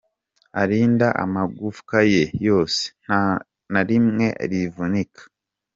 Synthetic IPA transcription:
aɾiːndaʔa̰maɡufu̥kaje̞jo̞ːse̥ | naɾimŋe̞ʔa̰ɾivunikʰḁ

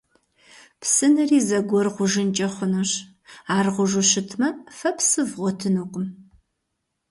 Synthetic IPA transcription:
pʰsɨnɨriːzɐɡʷɔrʁʷʊʒɨnt͡ʃʼɐχʷʊnuɕ | aːrʁʷʊʒʷʊɕɪtʰmɐfɐpsɨvʁʷɔtʰɨnuːqʷʼm

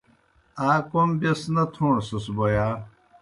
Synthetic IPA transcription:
aːkombɐsnɐt̪ʰũːsusbojaː

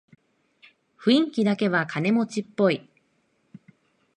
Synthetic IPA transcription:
ɸɯ̟ĩŋkʲid̪ake̞βakʰane̞mo̞t͡ɕipːo̞i

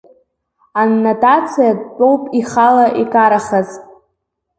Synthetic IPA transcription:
anːatʼat͡sʰijad̚t͡pʷʼo̞wpʼiχalaʔikʼaɾaχaz̥ʼ

